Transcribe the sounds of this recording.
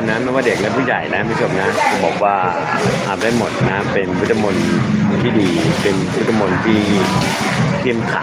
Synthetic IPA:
nːaː˦˥ma˦˥˩waː˥˩de˨˩k̚lɛ˦˥pʰuː˥˩ja˨˩jna˦˥ma˥˩t͡ɕʰo˧˩mna˦˥kbɔː˨˩k̚waː˥˩ | ʔa˨˩da˥˩jmo˨˩t̪̚na˦˥pe˧nwu˦˥t̪ʰːa˧mo˧nt̪ʰiː˥˩diː˧pe˧nwt̪ʰːa˧mo˧nt̪ʰiː˥˩iː˦˧˩ | k̪ʰi˥˩əmk̪ʰa̰˨˩

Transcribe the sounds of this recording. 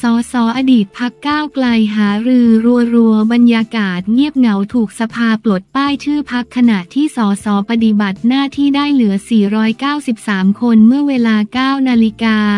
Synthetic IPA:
sɔː˩˦sɔː˩˦ʔaː˧diː˨˩t̪̚pʰa˦˥kːaː˥˩wkla˧jɦaː˩˦ɾɯː˧ɾu˧əɾu˧əba˧njaː˧kaː˨˩t̪̚ŋi˥˩əp̚ŋa˩˦wt̪ʰuː˨˩k̚sa˧pʰaː˧plo˨˩t̪̚paː˥˩jt̪ʰɯː˥˩pʰa˦˥kʰːa˧naː˨˩t̪ʰːiː˥˩sɔː˩˦sɔː˩˦pa˧t̪i˨˩ba˨˩t̪̚naː˥˩t̪ʰiː˥˩daː˥˩jlɯ˩˦ɐsiː˨˩ɾɔː˦˥jkaː˥˩wsi˨˩p̚saː˩˦mkʰo˧nmɯ˥˩əweː˧laː˧kaː˥˩wnaː˧li˦˥kaː˧

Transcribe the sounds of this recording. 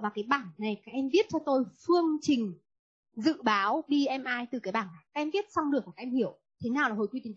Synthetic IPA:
vaː˨˩wkaː˨˦jɓaː˧˩nːa˨˩jkaː˦˥k̚ʔɛ˧mvi˦˥ət̚t͡ɕɔ˧t̪o˧jfɨ˧əŋt͡ɕï˨˩ŋ̟ | zɨ̰˧˨ɓaː˨˦wɓi˧ʔɛ˧mʔaː˧jt̪ɨ˨˩kaː˨˦jɓaː˧˩nːa˨˩jkaː˦˥kʔɛ˧mvi˦˥ət̚sɔ˧wŋ͡mlɨ˨˩ək̚a˨˩kːa˦˥ʔɛ˧mhi˧˩əw | t̪ʰe˨˦naː˨˩wlaː˨˩ho˨˩jkwi˧t̪i˨˦

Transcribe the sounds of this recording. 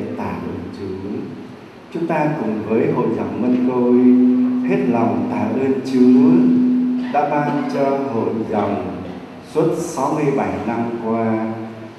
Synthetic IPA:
t̪aː˧˩ʔə˧nt͡ɕɨ˨˦ | t͡ɕʊ˨˦ŋ͡mt̪aː˧kʊ˨˩ŋ͡mvəː˨˦jɦo̰˧˨jza˨˩wŋ͡mmə˧nko˧jhe˦˥t̚la˨˩wŋ͡mt̪aː˧˩ʔə˧nt͡ɕɨ˨˦˨ | ɗa̰ː˧˥ɓaː˧nt͡ɕɔ˧ho̰˧˨jza̰˨wŋ͡m | swu˦˥t̚sa˨˦wmɨ˧əjɓa˧˩jna˧mkwaː˧

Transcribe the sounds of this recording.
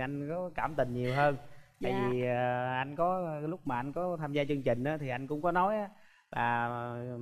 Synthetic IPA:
ʔa˧jŋ̟kɔ˨˦kaː˧˩mt̪ï˨˩ŋ̟ɲi˨˩əwɦəː˧nt̪aː˧˨jvi˨˩ə˨˩ʔa˧jŋ̟kɔ˨˦lʊ˦˥k͡p̚maː˨˩ʔa˧jŋ̟kɔ˨˦t̪ʰaː˧mzaː˧t͡ɕɨ˧əŋt͡ɕï˨˩ŋ̟ʔaː˨˦t̪ʰi˨˩ʔa˧jŋ̟kʊ̰˧˥ŋ͡mkɔ˨˦nɔ˨˦jʔaː˨˦ | laː˨˩

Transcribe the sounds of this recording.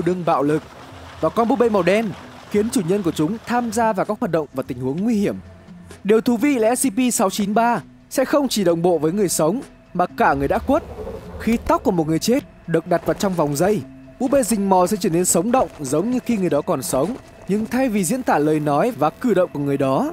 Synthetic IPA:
ɗɨ˧əŋɓa̰ː˧˨wlɨ˨˩k̚ | vaː˨˩wkɔ˧nɓṵ˧˥ɓe˧jmɔ˨˩wɗɛ˧n | xi˨˦ənt͡ɕu˧˩ɲə˧nk̬ət͡ɕʊ˨˦ŋ͡mt̪ʰaː˧mzaː˧vaː˨˩kaː˨˦k̚hwaː˨˩ɗə̰˧˨wŋ͡mvaː˨˩t̪ï˨˩ŋ̟hu˨˦əŋːwi˧hi˧˩əm | ɗi˨˩əwt̪ʰu˨˦vi˧lɛ̰˧˥si˧pi˧sa˨˦wt͡ɕi˨˦nɓaː˧ | sɛ̰˧˥xə˧wŋ͡mt͡ɕi˧˩ɗə̰˧˨wŋ͡mɓo̰˧˨vəː˨˦jŋɨ˨˩əjsə˨˦wŋ͡m | maː˨˩kaː˧˩ŋɨ˨˩əjɗa̰ː˧˥ku˦˥ət̚xi˨˦t̪a˦˥k͡p̚ku˧˩əmo˨˩t̚ŋɨ˨˩əjt͡ɕe˦˥t̚ | ɗɨ˨˩ək̚ɗa˨˩t̚vaː˨˩wt͡ɕɔ˧wŋ͡mva˨˩wŋ͡mzə˧j | ɓṵ˧˥ɓe˧zï˨˩ŋ̟mɔ˨˩sɛ̰˧˥t͡ɕəː˧˩ne˧nsə˨˦wŋ͡mɗə̰˧˨wŋ͡mzə˨˦wŋ͡mɲɨ˧xi˧ŋɨ˨˩əjɗɔ˨˦kɔ˨˩nsə˨˦wŋ͡m | ɲɨ˧ŋt̪ʰa˧jvi˨˩zḭ˧˥ənt̪aː˧˩ləː˨˩jnɔ˨˦jvaː˨˩kɨ˧˩ɗə̰˧˨ŋ͡mku˧˩əŋɨ˨˩əjɗɔ˨˦

